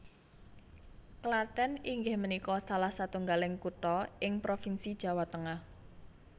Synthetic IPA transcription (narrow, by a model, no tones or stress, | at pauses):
kəlat̪ɛniŋɡɪhmənikɔsalahsat̪uŋɡalɪŋkut̪ɔɪŋpɾofinsid̥ʒ̥a̤wat̪əŋah